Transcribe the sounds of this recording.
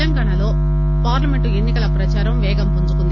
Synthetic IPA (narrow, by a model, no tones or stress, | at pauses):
ɐmɡɐɳɐlo̞ː | paːɾlɐme̞ɳʈue̞nːikɐlɐpɾɐt͡ʃaːɾɐmʋɛːɡɐmpuɲd͡ʒukund̪i